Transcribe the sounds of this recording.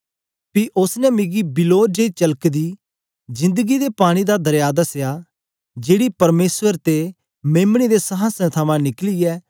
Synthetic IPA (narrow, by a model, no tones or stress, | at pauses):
piʔʊsnɛmɪɡibɪloːd͡ʒeit͡ʃɐləkd̪iː | zɪ̃nd̪əɡid̪epaːɽ̃id̪ad̪ɐɾjaːd̪ɐsjaː | d͡ʒeːɽipɐɾmeːswəɾt̪e | meːmɽ̃id̪esɐɦãsɛ̃t̪ʰɐmãnɪkliɛː